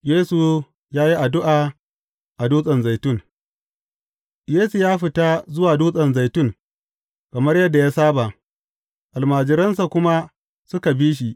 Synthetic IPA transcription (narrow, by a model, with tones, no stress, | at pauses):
jeː˦su˨ | jaː˦ji˦ʔa˨dʊ˦ʔaː˨ | ʔa˨duː˦sʼɐ˨nza˨jtʊ˦ŋ˨ | jeː˦su˨jaː˦ɸɪ˨ta˦zʊ˦waː˨duː˦sʼɐ˨nza˨jtʊ˦˨ŋ | kɐ˨mɐ˦rjɐ˦dːa˨jaː˦saː˦ba˨ | ʔa˨lmaː˨d͡ʒɪ˨ɾɐ˦ns̬a˨kʷʊ˦ma˦ | sʊ˦ka˨biː˦ʃ̬i˨ʔ